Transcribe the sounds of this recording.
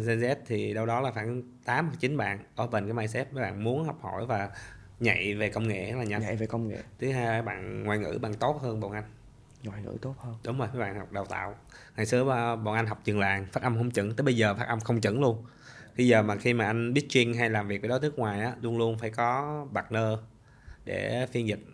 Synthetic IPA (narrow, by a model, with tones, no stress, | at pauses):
zɛ˧nzɛ˦˥p̚t̪ʰi˨˩ɗə˧wɗɔ˨˦laː˨˩faː˧˩n | t̪aː˨˦ma˨˩t͡ɕï˨˦nɓa̰ː˧˨nʔəː˧˩və˨˩nkaː˨˦jmaː˧jsɛ˦˥p̚nə˨˦ɓa̰ː˧˨nmu˨˦ənhɔ˨˩wk͡p̚ho̰˧˩jvaː˨˩ | ɲa̰˧˨jve˨˩kə˧wŋ͡mŋḛ˧˨hlaː˨˩ɲa̰˧˩˧ve˨˩kə˧wŋ͡mŋḛ˧˨t̪ʰɨ˨˦ɦaː˧jaː˨˦ɓa̰ː˧˨nŋwaː˨˩jŋɨ̰˧˥ɓaː˧˨nt̪o˦˥t̚həː˧nɓo̰˧˨nʔa˧jŋ̟ | ŋwaː˨˩jŋɨ̰˧˥t̪o˦˥t̚həː˧ɗʊ˨˦ŋ͡mzo˨˩jfə˨˦jɓa̰ː˧˨nhɔ˨˩k͡p̚ɗə˨˩wt̪a̰ː˧˨wŋa˨˩jsɨ˨˦ə˨˧˩ɓo̰˧˨nʔa˧jŋ̟ɦa˨˩wk͡p̚t͡ɕɨ˨˩ŋlaː˨˩ŋfaː˦˥t̚ʔə˧mxə˧wŋ͡mt͡ɕɨ̰˧˥ŋt̪ɨː˨˦ɓə˧jzəː˨˩faː˦˥t̚ʔə˧mxə˧wŋ͡mt͡ɕɨ̰˧˩˥ŋlu˧ən | ki˧jzəː˨˩maː˨˩xi˧maː˨˩ʔa˧ŋ̟ɓi˦˥ət̚t͡ɕwi˧ənɦa˧jlaː˨˩mvi˨˩k̚ɓə˨˩ɔ˨˦t̪ɨ˦ə˥kŋwaː˨˩jʔaː˨˦lu˧ənlu˧ənfaː˧˩jkɔ˨˦ɓa˨˩k̚nəː˧ | ɗḛ˧˩fi˧ənzï˨˩t̟̚